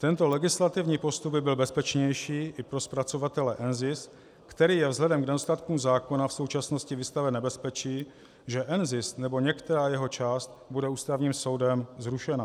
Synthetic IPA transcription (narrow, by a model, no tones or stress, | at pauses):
t̪ɛnt̪o̞lɛɡɪslat̪ɪvɲiːpo̞st̪ub̚bɪbɪlbɛspɛt͡ʃɲɛjʃiːʔɪpɾo̞spɾat͡so̞vat̪ɛlɛʔɛnzɪs | kt̪ɛɾiːjɛvzɦlɛdɛmknɛost̪at̪kumzaːko̞nafso̞wt͡ʃasno̞scɪvɪst̪avɛnːɛbɛspɛt͡ʃiː | ʒɛʔɛnzɪsnɛbo̞ɲɛkt̪ɛɾaːjɛɦo̞t͡ʃaːst̪budɛuːst̪avɲiːmso̞wdɛmzɾuʃɛna